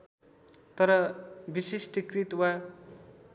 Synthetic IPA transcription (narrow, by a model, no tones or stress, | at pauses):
t̪ʌɾʌbisesʈikrit̪wa